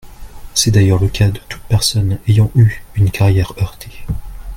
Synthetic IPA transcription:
sɛd̪ajœʁləkʰad̪ət̪u̥t̪̚pɛʁsɔnejɑ̃ʔyynkʰaʁjɛʁœʁt̪ʰe̥

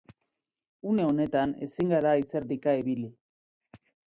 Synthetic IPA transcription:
une̞o̞ne̞t̪ane̞̰siŋɡaɾait͡se̞ɾd̪ikaeβili

